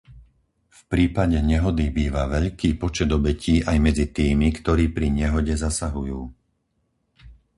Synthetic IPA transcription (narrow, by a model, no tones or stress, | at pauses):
fpɾiːpaɟɛɲɛɦɔd̪ibiːʋaʋɛʎkiːpɔt͡ʃɛd̪ɔbɛciːʔajmɛd͡zit̪iːmikt̪ɔɾiːpɾiɲɛɦɔɟɛzasaɦujuː